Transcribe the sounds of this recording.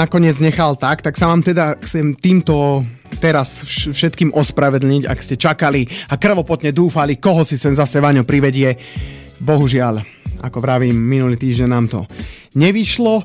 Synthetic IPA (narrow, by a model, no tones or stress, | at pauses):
akɔɲɪɛd͡zɲɛxalt̪akt̪aksaʋaːmt̪ɛd̪axt͡sɛmt̪iːmt̪ɔ | t̪ɛɾasʃfʃɛt̪kiːmʔɔspɾaʋɛd̪l̩ɲica̰kscɛt͡ʃakaliakr̩ʋɔpɔt̪ɲɛd̪uːfalikɔɦɔsisɛnzasɛʋaɲɔpɾiʋɛɟɪɛ | bɔɦuʒɪal | a̰kɔʋɾaʋiːmːinuliːt̪iːʒɟɛnnːaːmt̪ɔ̰ | ɲɛʋiʃlɔ